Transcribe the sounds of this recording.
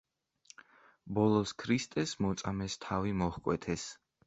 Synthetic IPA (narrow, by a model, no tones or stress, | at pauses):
bɔlˠɔskʰɾist̪ʼɛsmɔt̪sʼamɛst̪ʰavimɔχkʼwɛt̪ʰɛs